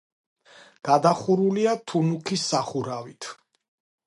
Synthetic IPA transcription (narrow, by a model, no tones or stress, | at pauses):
ɡ̥ad̪aχuɾuliat̪ʰunukʰisːaχuɾavit̪ʰ